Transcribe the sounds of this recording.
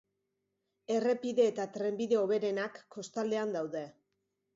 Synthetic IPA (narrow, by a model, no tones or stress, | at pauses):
e̞re̞piðe̞ːt̪at̪ɾe̞mbiðe̞o̞β̞e̞ɾe̞nakːo̞st̪ald̪e̞and̪awðe̞